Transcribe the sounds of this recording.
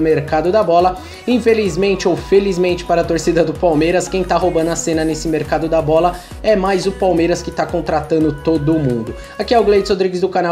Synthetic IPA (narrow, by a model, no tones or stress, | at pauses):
meɾkad̪ʊd̪ɐbɔlɐ | ĩfelizmẽnt͡ʃɪowfelizmẽnt͡ʃɪ̥paɾɐt̪oɾsid̪ɐd̪ʊpawmejɾɐskẽj̃t̪aɦobɐ̃nd̪ʊɐsẽnɐnesɪmeɾkad̪ʊd̪ɐbɔlɐ | ɛmajzʊpawmejɾɐskɪt̪akõnt̪ɾat̪ɐ̃nd̪ʊt̪od̪ʊmũnd̪ʊ | akiɛʊɡlejt͡ʃɪ̥hod̪ɾiɡɪzd̪ʊkana